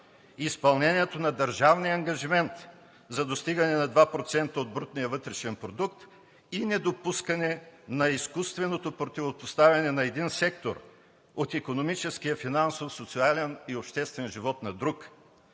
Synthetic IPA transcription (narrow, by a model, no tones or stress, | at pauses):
ispɐlˠnɛniɛt̪onɐd̪ɐɾʒavnijɐŋɡɐʒimɛnt̪ | zɐd̪ost̪iɡɐnɛnɐd̪vapɾot̪sɛnt̪əod̪̚bɾut̪nijəvɤt̪ɾɛʃɛnpɾod̪ukt̪ | inɛd̪opuskɐnɛnɐiskust̪vɛnot̪opɾot̪ivopost̪avʲɐnɛnɐɛd̪insɛkt̪o̰ɾ | ot̪ikonomit͡ʃɛskijəfinansofsot̪sialɛniopʃt̪ɛst̪vɛnʒivɔt̪nɐd̪ɾuk